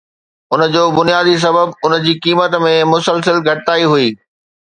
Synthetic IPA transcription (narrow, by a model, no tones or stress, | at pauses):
ʊnə̆d͡ʑoːbʊnijaːd̪is̬ɐbəbʊn̆d͡ʑiːkiːmət̪mẽmʊsəlsəlɡʱɐʈɪt̪aːiɦuiː